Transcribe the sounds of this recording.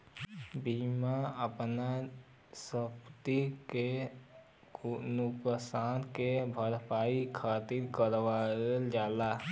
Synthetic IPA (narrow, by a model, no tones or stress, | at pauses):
biːmaəpna | səpt̪ike | nukəsaːnkebʱəɾpaːikʰaːt̪iɾkəɾwaeld͡ʒaːla